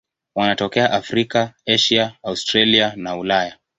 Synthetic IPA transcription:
wanatɔkɛaʔafɾikaɛʃiaːustɾalianaulaja

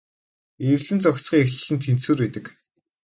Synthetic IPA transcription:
ewɮɘ̆nt͡sɔkt͡sχiːŋexɮɘ̆ɮɘ̆nt̪ʰːensuːrpeːt̪ɘ̆k

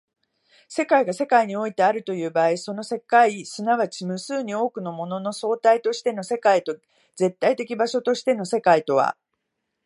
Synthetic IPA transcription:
se̞kaiɡase̞kaiɲ̟io̞it̪e̞aɾɯ̟t̪o̞jɯ̟ːbaːiso̞no̞se̞kaisɨnaβat͡ɕimɯ̟sɨːɲ̟io̞ːkɯ̟no̞mo̞no̞no̞so̞ːt̪ait̪o̞ɕi̥t̪e̞no̞se̞kait̪o | ze̞t̪ːait̪e̞kʲibaɕo̞t̪o̞ɕi̥t̪e̞no̞se̞kait̪o̞βa̰

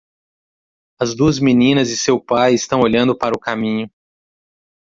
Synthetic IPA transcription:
ɐzd̪uɐzminĩnɐzɪsewpajɪst̪ɐ̃w̃oʎɐ̃nd̪ʊpaɾʊkamĩɲʊ

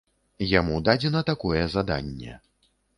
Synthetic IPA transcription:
jamud̪ad͡zʲɛnɐt̪akɔjɛzad̪a̰nʲːɛ̰

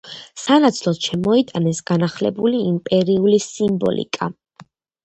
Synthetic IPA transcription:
sanat̪sʰlˠɔt̪ʃɛmɔit̪ʼanɛsɡ̥anaχlɛ̰buliːmpʼɛɾiulisimbɔ̰lḭkʼa

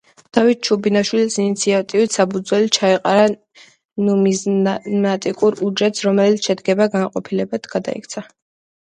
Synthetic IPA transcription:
d̪̥avit̪̚t͡ʃʰubinaʃwilisinit̪sʰiat̪ʼivit̪sapʰud̪zwɛlit͡ʃʰaiqʼaɾa | numizmat̪ʼikʼuɾud͡ʒɛt̪sɾɔmɛlit̪ʃɛd̪ɡɛbaɡanqʼɔpʰilɛbad̪ɡ̥ad̪a̰ḭkʰt̪sʰa

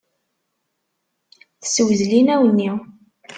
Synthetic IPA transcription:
θəswzlinæwənːiw

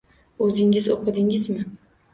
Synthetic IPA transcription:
ɵzɪŋɪzoqʰɨd̪ɪŋɪzmɪ

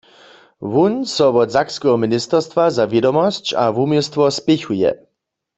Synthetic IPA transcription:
ʋunsɔʋɔdzakskɛɦɔminɪst̪ɛʁst̪ʋazaʋjɛdɔmɔst͡ɕa̰ʋumist̪ʋɔspɛxujɛ̰

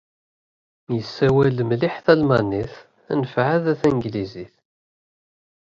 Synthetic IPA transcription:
jəsːæwælmlɪħθælmæniθ | ænəfʕæðæθænɡliziθ

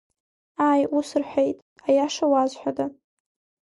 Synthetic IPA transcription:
ajusɨrħʷejtʼ | ajaʂawazħʷᶣada

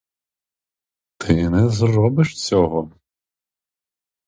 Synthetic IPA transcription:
t̪ʰɪnɛzrɔbɪʃt͡sʲɔɦɔ

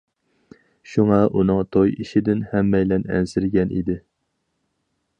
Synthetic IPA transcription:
ʃuŋɑʔunɨŋt̪ʰojiʃɪd̪ɪnhɛmːɛjlɛnɛ̰nsɪɾɡʲɛnʔḭd̪ɪ

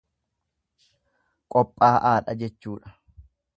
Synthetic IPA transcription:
kʼɔpʼːaːʔaːᶑɐd͡ʒɛt͡ʃːuːᶑɐ̥

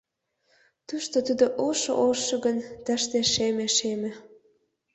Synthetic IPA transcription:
t̪uʃt̪ot̪ud̪oʔoʃo̰ʔolʃɤ̆ɣənt̪ə̆ʃt̪eʃemĕʃemĕ

